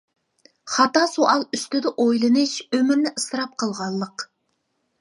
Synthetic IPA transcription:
χɑt̪ɑsuʔɑlˠyst̪ɪd̪ɪʔojlˠɨnɨʃømɪɾnɪʔɨsɨɾɑp̚qʰəlˠʁɑlˠːəq

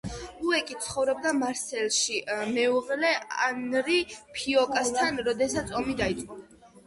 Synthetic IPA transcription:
uɛkʼit̪̚sʰχɔvɾɔb̚d̪amaɾsɛlˠʃimɛuʁlɛa̰nɾipʰiɔkʼast̪ʰanɾɔd̪ɛsat̪sʰɔmid̪ait̪sʼqʼɔ

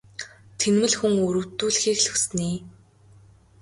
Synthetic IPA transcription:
t̪ʰenmɘ̆ɮxuŋɵɾɵ̆wt̪ːuːɮxiːkɮɵ̆xs̆niː

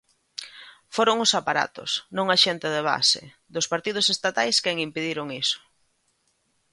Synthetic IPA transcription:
foɾoŋʊsapaɾa̰t̪ʊ̰snõŋaʃɛnt̪eðeβa̰sḛ | d̪ʊspaɾt̪ið̞ʊsest̪at̪ajskɛŋimpeðiɾʊŋisʊ̥

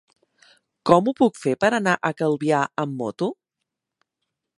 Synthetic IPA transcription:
kɔmupukfepəɾənaʔəkəlˠβiaəmːɔt̪u

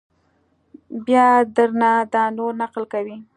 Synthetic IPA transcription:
bjɑd̪əɾnad̪ɑnoɾnaqlkawi

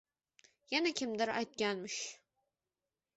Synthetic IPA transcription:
jɛnækʲʰɪmd̪ɨɾa̰jt̪̚ɡʲænmɨʃ

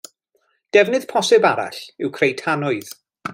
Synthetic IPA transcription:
d̥ɛvnɨð̥pʰɔsɛbaɾa̰ɬɪwkʰrejtʰanʊɨð

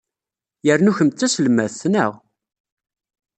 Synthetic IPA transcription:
jəɾnuçəmt͡s̪ːæsəlmæθθnəʁ

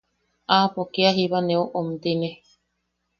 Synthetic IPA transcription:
apokeaɦiβanẽoʔomt̪ine

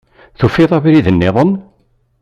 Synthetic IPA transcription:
θufiðˤɑβiɾiðənːeðˤən

